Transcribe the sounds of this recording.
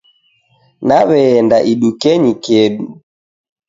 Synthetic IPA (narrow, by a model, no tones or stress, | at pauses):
naβɛːndaʔiɗukɛɲikɛɗu